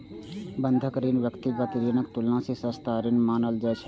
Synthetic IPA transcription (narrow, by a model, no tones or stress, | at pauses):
bə̃nd̪ʱəkɾɪnʋjəkt̪iɡət̪ɾinəkt̪ʊlnãːsesəst̪aːɾɪnmaːnəld͡ʒɛːt͡ʃʰ